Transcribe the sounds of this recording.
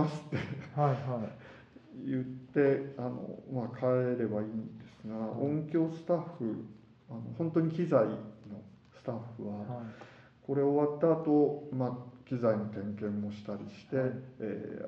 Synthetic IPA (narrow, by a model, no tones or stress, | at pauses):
asɨ̥t̪ːe̞ | jɯ̟t̪ːe̞ano̞̰makʰaeɾe̞baiːnd̪e̞sɨɡaõ̞ŋkʲo̞ːsɨ̥t̪aɸɯ̟ | ano̞̰hõnt̪o̞ɲ̟ikʲizaino̞ | sɨ̥t̪aɸːɯ̟βa | ko̞ɾe̞oβat̪ːaːt̪o̞makʲizaino̞t̪ẽ̞ŋkẽ̞mːo̞ɕi̥t̪aɾʲiɕi̥t̪e̞̰ː